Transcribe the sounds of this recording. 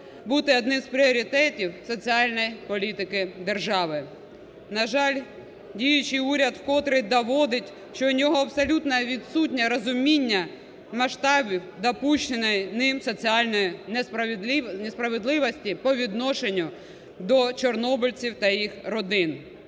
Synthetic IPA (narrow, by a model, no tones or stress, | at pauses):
but̪ɪɔd̪nɪmzpɾʲiɔɾʲit̪ɛtʲiwsɔt͡sʲiɑlʲnɔjipɔlʲit̪ɪkɪd̪erʒɑʋɪ | nɐʒɑlʲ | dʲijʊt͡ʃɪjuɾʲɐd̪wkɔt̪ɾɪd̪ɔʋɔd̪ɪtʲ | ʃt͡ʃɔnʲɔɦɔɐbsɐlʲut̪nɐʋʲid̪sutʲnʲɐɾɔzʊmʲinʲːɐ | mɐʃt̪ɑbʲiwd̪ɐpuʃt͡ʃɪnɪjnɪmsɔt͡sʲiɑlʲnɔjinesnespɾɐʋed̪lˠɪʋɔsʲtʲipɔʋʲid̪nɔʃenʲːʊ | d̪ɔt͡ʃɔrnɔbʊlʲt͡sʲiwt̪ɐjixɾɔd̪ɪn